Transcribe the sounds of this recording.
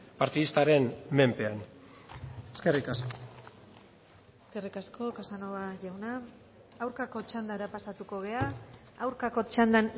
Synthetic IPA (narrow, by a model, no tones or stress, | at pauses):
paɾt̪iðist̪aɾe̞nme̞mpe̞an | eskerikaskoo | eske̞rikasko̞kasanoβaʝawnaː | wɾkako̞t͡ʃand̪aɾapasat̪uko̞ɣe̞aː | wɾkako̞t͡ʃand̪an